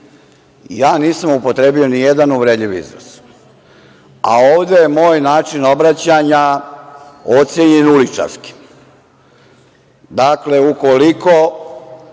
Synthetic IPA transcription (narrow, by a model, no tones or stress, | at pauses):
jaːniːsamupo̞t̪ɾe̞ːbionijed̪anuʋɾe̞d̪ʎiʋḭzno̰s | a̰oːʋd̪ejemo̞ːjnaːt͡ʃinobɾat͡ɕaɲa | o̞t̪sjeɲenulit͡ʃa̰ɾski̥ | d̪akle̞uko̞liko̞